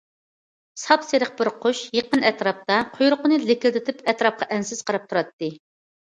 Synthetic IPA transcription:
sɑpseɾəq̚bɪɾqʰoʃjeqənɛt̪ɾɑp̚t̪ɑqʰojɾʊqʊnɨlɪkʲɪld̪ɪt̪ʰɪpɛt̪ɾɑp̚qʰɑʔɛnsɪz̥qʰɑɾɑp̚t̪ʰuɾɑt̪ːɨ

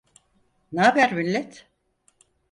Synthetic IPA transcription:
naːbæɾminlʲɛt̪

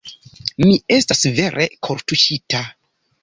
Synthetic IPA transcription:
mie̞stasve̞ɾʔe̞kʰo̞ɾtuʃita

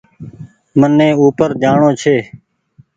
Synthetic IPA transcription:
mənːẽːuːpəɾd͡ʒ̪aːɳoːt͡ʃʰeː

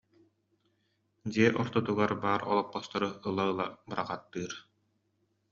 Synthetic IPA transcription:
d̪iɛʔɔɾt̪ɔt̪uɡaɾbaːɾɔ̰lˠɔpːɔst̪aɾɯɯlˠaɯlˠabɯɾaqat̪ːɯːɾ

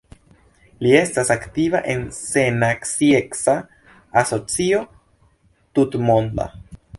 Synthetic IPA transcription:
lie̞stasaktivaʔe̞nsenaksieksa | aso̞t͡sio̞ | tutmond̪a̰

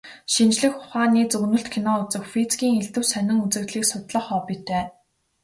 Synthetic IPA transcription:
ʃint͡ɕɮɘ̆xʊ̥χaːniːt͡sɵɵnɵ̆ɬt̪kʰinɔːʊt͡sɘ̆xfit͡sɡʲiːŋeɮt̪ɘ̆wsœnɪ̆ŋut͡sɘ̆rt̪ɮiːksʊt̪ɮə̆χɔːpit̪ʰeː

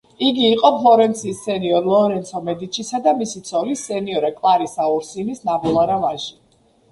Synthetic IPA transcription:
iɡiːqʼɔpʰlˠɔɾɛnt̪sʰiːsːɛniɔɾlˠɔɾɛnt̪sʰɔmɛd̪it͡ʃʰisad̪amisit̪sʰɔlisɛniɔɾɛkʼlˠaɾisauɾsinisnabɛlˠaɾavaʒi

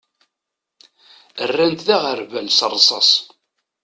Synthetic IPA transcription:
ərːænt̪ðæʁəɾvælsərˤːsˤɑ̰sˤ

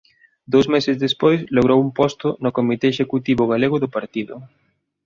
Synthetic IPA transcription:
d̪owsmesɪzðespojsloɣ̞ɾowumpɔst̪ʊnʊkomit̪eːʃekut̪iβʊɣaleɣʊðʊpaɾt̪iðʊ̰

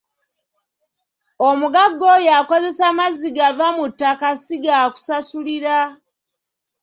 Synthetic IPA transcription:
omuɡaɡːo̞jaːko̞ze̞samaziɡavamutːakasiɡaku̥sasuliɾa

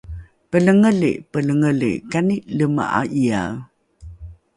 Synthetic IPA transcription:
pələŋəlḛʔpələŋəlḛʔkaniʔləma̰ʔa̰ʔia̰

